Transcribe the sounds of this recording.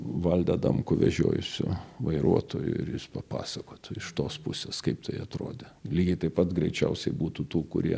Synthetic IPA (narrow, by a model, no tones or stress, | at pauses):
ʋɐlʲd̪ɐd̪ɐ̰mkʊʋʲɛ̰ʒʲo̰ːjʊsʲʊ̰ʋɐɪɾʔuɔt̪oːjʊ̰ɪ̰rjɪspɐpɑ̰ːsɐkoːt̪ʊɪʃt̪oːspʊsʲeːskɐɪpt̪ɐɪɐt̪ɾo̰ːd̪ʲelʲiːɡʲɪt̪ɐɪpɐt̪ɡɾʲɛɪt͡ʃʲɛʊsʲɛɪbuːt̪ut̪uːkʊ̰ɾʲiɛ